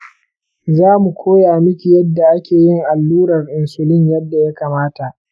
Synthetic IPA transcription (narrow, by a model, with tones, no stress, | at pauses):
zaː˦mu˨kʷʰoː˦ja˨mɪ˦kʲi˨jɐ˦dːa˨ʔa˦kʲeː˨jɪ˦ŋʔa˨lːuː˦ɾɐ˨rʔɪ˨nsʊ˨lɪ˦ɲjɐ˦dːa˨ja˦kaː˨maː˦ta˨ʔ